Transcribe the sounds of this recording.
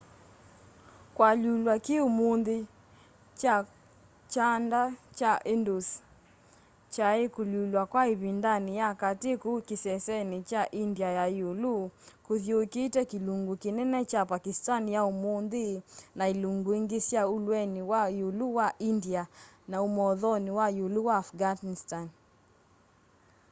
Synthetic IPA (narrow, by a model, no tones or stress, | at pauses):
kwaʎulwakeomonðe | t͡ʃa | t͡ʃandat͡ʃaʔendos | t͡ʃaekolulwakwaeβindanijakatekokesɛsɛnet͡ʃaʔindiajajolukoðjokeːtɛkeluŋɡokenɛnɛt͡ʃapakistanjaomond̪enaeluŋɡoeŋɡesjaolwɛnewajoluwaʔindianaomɔðɔnewajoluwaːfɡanistan